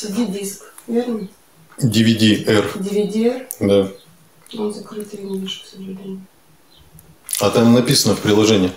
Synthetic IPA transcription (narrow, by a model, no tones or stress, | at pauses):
sʲɪdʲidʲisk | vʲernə | dʲɪvʲɪdʲiɛrdʲɪvʲɪdʲiɛrd̪a | ozɐkɾɨt̪ɨɪnʲvʲiʂksəʐɨd̪ʲenʲɪ | at̪amnɐpʲisənəfpɾʲɪlˠɐʐɛnʲɪː